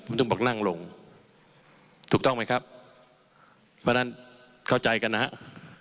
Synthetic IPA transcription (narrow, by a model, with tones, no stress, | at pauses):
o˨˦mt̪ɔ˥˩ŋbɔː˨˩k̚na˥˩ŋlo˧ŋ | t̪ʰuː˨˩k̚t̪ɔ˥˩ŋma˦˥jkʰa˦˥p̚ | pʰːɔː˦˥na˦˥n | kʰa˥˩wt͡ɕa˧jka˧nːa˦˥ha̰˦˥ʔ